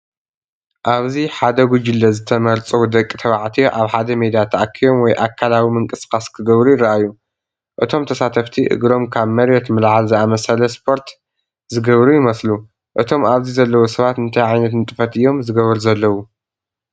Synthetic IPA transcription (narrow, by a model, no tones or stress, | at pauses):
ʔaβziħad̪ɐɡud͡ʒɪlːɐzɨt̪ʰɐmɐɾt͡sʼɐwd̪ɐkʼːit̪ʰɐβaʕt̪ʰiʔaβħad̪ɐmed̪ijat̪ʰaʔakʰːijo̞mwɔjʔakʰːalawimɨŋkʼɨskʼaskʰɨɡɐβɾujɪɾːɐʔajːu | ʔɨt̪ʰo̞mt̪ʰɐsat̪ʰɐft̪ʰiʔɨ̰ɡɾo̞mkʰaβmɐɾjɛt̪mɨlʕalzɨamɐsɐlɐspʰo̞ɾt̪ | zɨɡɐβɾujɪmɐslu | ʔɨt̪ʰo̞maβzizɐlːɐwosɐβat̪ɨnt̪ʰajʕajnɐt̪nɨt̪ʼɨfɐt̪ɨjːo̞mzɨɡɐβɐɾzɐlːɐwu